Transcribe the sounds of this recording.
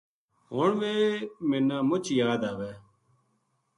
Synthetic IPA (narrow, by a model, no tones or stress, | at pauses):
ɦoːɳʋeːmenãːmʊt͡ʃjaːd̪aːʋeː